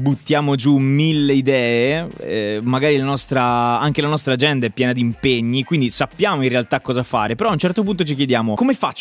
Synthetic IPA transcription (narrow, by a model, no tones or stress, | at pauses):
but̪ːjaːmod͡ʒumilːeid̪ɛːe | maɡaːɾilanɔst̪ɾaaŋk̟elanɔst̪ɾaːd͡ʒɛnd̪aɛpːjɛːnad̪impeɲːikwind̪isapːjaːmoinrealt̪akːɔːzafaːɾepeɾɔaunt͡ʃɛrt̪op̬unt̪ot͡ʃik̬jed̪jaːmokomefat͡ʃː